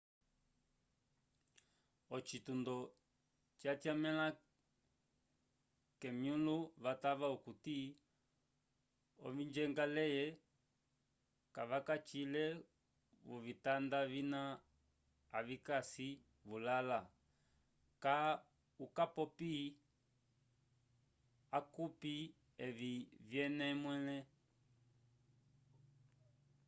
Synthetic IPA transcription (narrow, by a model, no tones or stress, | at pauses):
ɔt͡ʃitundɔ | t͡ʃatiamɛla | kɛmjuluβataβaukuti | ɔ̰vind͡ʒɛŋɡalɛjɛ | kaʋakat͡ʃilɛ | βɔvitandavina | avikasi | βulala | ka | ukapɔpi | akupi | ɛvivjɛnɛmwɛlɛ